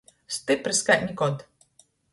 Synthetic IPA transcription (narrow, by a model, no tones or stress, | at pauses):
st̪ɨpɾɨskaʔʲnʲikɔd̪